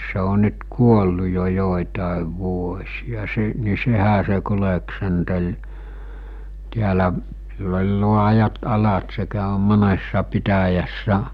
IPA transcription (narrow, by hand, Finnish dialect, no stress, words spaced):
se o nyt kuolːu jo joˑitɑˑeʋ ʋuosʲijɑ se ni sehæ se kuleksentel tiælæʔ silː olʲ luɑjɑt ɑlɑt se kæˑø monesːɑ pitæjæsːæ